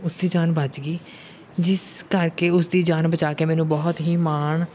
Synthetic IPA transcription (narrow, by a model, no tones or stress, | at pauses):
ʊsd̪iːd͡ʒaːnbəd͡ʒɡiː | d͡ʒɪskəɾkeːʊsd̪iːd͡ʒaːnbət͡ʃaːkeːmɛ̃ːnũːbɔːt̪ɦiːmaːɳ